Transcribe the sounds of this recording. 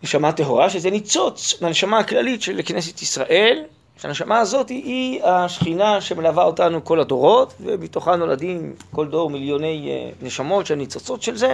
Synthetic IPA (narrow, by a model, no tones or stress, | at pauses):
neʃamateɦo̞ʁaʃezenit͡so̞t͡smeaneʃamaːklalitʃelːeknes̬etisʁaʔe̞l | ʃeaneʃamaːzo̞tiiaʃχinaʃemelavaotanuko̞lado̞ʁo̞tvḛmitoχanola̰dimko̞ldo̞ʁmiljo̞ne̞j̰neʃamo̞tʃehemnit͡so̞t͡so̞tʃe̞lze